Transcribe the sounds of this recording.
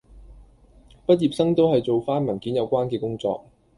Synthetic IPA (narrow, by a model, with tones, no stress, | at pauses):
pɐ˥t̚jiː˨p̚sɐ˥ŋt̪o˥whɐ˨jt͡so˨wfaː˥nmɐ˨˩nkiː˨˥njɐ˨˧wkʷaː˥nkɛː˧kʊ˥ŋt͡sɔ̰ː˧k̚